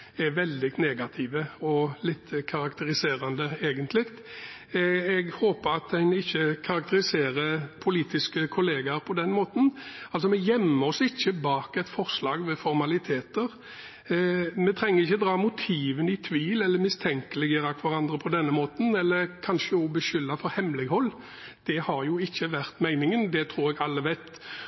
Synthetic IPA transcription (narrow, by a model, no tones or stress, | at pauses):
ɛɾʋɛld̪ɪneːɡɑt̪ʰiːʋəɔlɪt̪ːkʰɑɾɑkt̪ʰəɾɪseːɾɑnd̪əeːɡənt̪ʰlɪkt̪ | ɛɡhoːpəɾɑt̪æɪnɪçːəkʰɑɾɑkt̪əɾɪseːɾəɾpʰʊliːt̪ɪskəkʰʊleːɡɑpʰɔd̪ɛnmoːt̪n̩ɑls̬ɔmɛjɛmːəɔsɪçːəbɑːkɛt̪fɔʁslɑːɡʋɛfɔɾmɑlɪt̪ʰeːt̪əɾ | mɛt̪ʰɾɛŋːəɾɪçːəd̪ɾɑːmʊt̪ʰiːʋənɪt̪ʰʋiːlɛlːəɾmɪst̪ʰɛŋkəlɪɡəɾɑkʰʋɑɾɑnd̪ɾəpʰɔd̪ɛnːəmoːt̪n̩ɛlːəɾkʰɑnʃəɔbəʃʏlːɑfɔɾhɛmlɪɡhɔlː | d̪̥ɛhɑɾjʊɪçːəʋæʁt̪mæɪnɪŋənd̪ɛt̪ʰɾuːɾɛɡɑlːəʋæɪt̪